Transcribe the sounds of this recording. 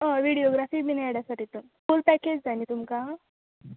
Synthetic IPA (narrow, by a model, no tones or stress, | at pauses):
ə̃ʋiɽijoɡɾafiːminaɽjasaʈiːt̪umfulpɛked͡ʑd͡zanit̪umka